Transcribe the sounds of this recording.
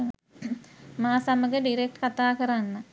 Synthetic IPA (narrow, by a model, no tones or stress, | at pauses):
maːsaməɡəɖiɾek̚ʈkat̪aːkəɾanːə